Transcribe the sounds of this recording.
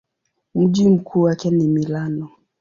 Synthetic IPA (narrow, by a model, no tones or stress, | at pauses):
m̩ʄim̩kʰuːwakɛnimilanɔ